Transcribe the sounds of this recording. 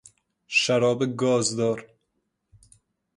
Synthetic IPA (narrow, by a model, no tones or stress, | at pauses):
ʃæɾɒːbeɡɒːzd̪ɒːɾ